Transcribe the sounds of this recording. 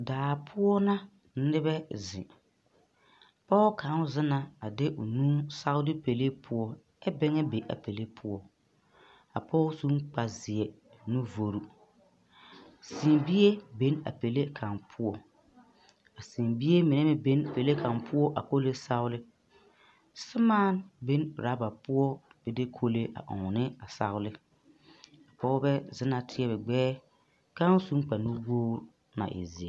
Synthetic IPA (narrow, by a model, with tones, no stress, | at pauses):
daː˨pʰʊ˦ɔ˦na˦ | nɪ˦bɛ˦zɪ̰˨ | pɔː˦ka˨˦zɪ˦na˦a˨dɪ˦ʔʊ˨nũː˦sa˦wʊ˦lɪ˦pe˨le˦pʰʊ˦ɔ˨ | ɛ˦bɛ˦ŋɛ˦be˨ʔa̰˨pe˨le˦pʰʊ˦ɔ˨ | a̰˨pʰɔː˦su˦ŋk͡pa˨zɪ˨ɛ˨ | nu˦vo˨ɾu˦ | si˨mbi˦e˦be˦na̰˨pe˨le˦kʰa˨npʰʊ˦ɔ˨ | a˨si˨mbi˦e˦mɪ˨nɛ˦mɪ˦be˦n˨pe˨le˦kʰa˨mpʰʊ˦ɔ˦ʔa˨ko˦le˦sa˦ʊ˦lɪ˦ | sɪ˦maː˦nbe˦nɾa˨˦ba˨pʊ˦ɔ˦b̥ɛ˦dɪ˦kʰo˦le˦ʔa̰˨ʔʊ̰˨ŋ˨nɪ˦a˨sa̰˦ɣʊ˦lɪ˦ | a˨pɔ˦ɣʊ˦bɛ˦zɪ˦na˨tʰɪ˦ɛ˦bɛ˨ɡ͡bɛː˦ | ka˦n˦su˦ŋ˦k͡pa˨nu˦woː˦ | na̰˨ʔɪ̰˨zɪ˨ɛ˨